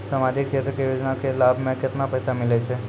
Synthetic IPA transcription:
səmad͡ʒʱikʃet̪ɾəkejod͡ʒnakelabʱmẽkɪt̪napəjsamɪlet͡ʃʰe

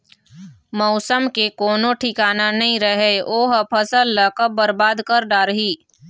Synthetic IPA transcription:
mɔʊsəmkekoːnõʈʰɪkaːnanɐɦĩɾəɦeoːɦpʰɐsəlːəkəbəɾbaːd̪kəɾɖaːɾɦiː

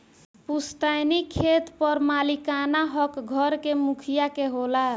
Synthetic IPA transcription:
pust̪ajnikʰːet̪pəɾmalikanaɦɔkɡʱʌɾkemukʰijakeɦola

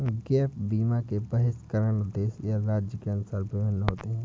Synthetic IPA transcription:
ɡɛːpʰbiːmakebəɦɪskəɾənʊd̪ːeːsjaɾaːd͡ʒjəkeɐnʊsaːɾpɪʋɪnːɦoːt̪eɦɛ̃ː

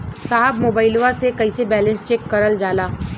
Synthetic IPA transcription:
saːɦəbmoːbaːɪloʋasekɐisebɛːlə̃nst͡ʃeːkːɐɾəld͡ʒaːlaː

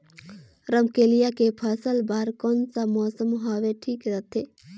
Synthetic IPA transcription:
ɾəmkeːlijakepʰəsəlbaːɾkɔːnsamɔːsəmɦaːʋeʈʰiːkɾət̪ʰeː

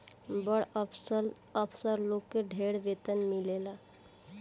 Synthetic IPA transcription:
bəɽ | əpʰsəɾlokːeɖʱeɽbet̪ənmilela

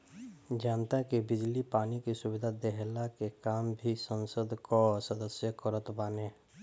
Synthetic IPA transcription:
d͡ʒaːnt̪akibɪd͡ʒlipaːnikisʊbɪd̪ʱad̪eɦlakekaːmbʱisə̃nsəd̪ʱkosəd̪əsjəkəɾət̪baːneː

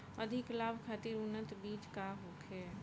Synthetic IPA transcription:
əd̪ʱɪklaːbʱkʰaːt̪iɾʊnət̪biːt͡ʃkaɦoːkʰe

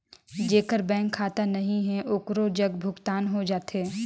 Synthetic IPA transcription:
d͡ʒeːkəɾbɛ̃ːŋkʰːaːt̪anɐɦĩɦɛ̃ʔʊkɾod͡ʒɐɡbʱʊɡt̪aːnɦod͡ʒaːt̪eː

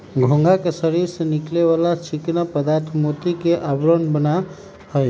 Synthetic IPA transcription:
ɡʱõŋɡakesəɾiɾsənikleβalat͡ʃʰiknapəd̪aɾt̪ʰmot̪ikeʔabɾənbəna | həj

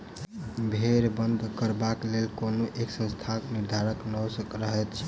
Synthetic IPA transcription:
bʱeɾbənd̪ʱkəɾbaklelkonoʔeksə̃nst̪ʰaniɾd̪ʱaɾəknɔsəkɾəɦɛt̪t͡ʃʰ

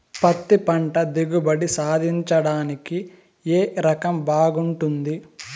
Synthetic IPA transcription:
pɐt̪ːipɐɳʈɐd̪iɡubɐɽisaːd̪ʱiɲt͡ʃɐɽaːniki | eːɾɐkɐmbaːɡuɳʈund̪i

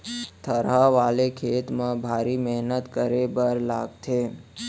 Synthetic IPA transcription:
t̪ʰəɾaʋalekʰet̪mãbʱaɾimɛɦnət̪kəɾebəɾla̰ɡt͡ʃʰe

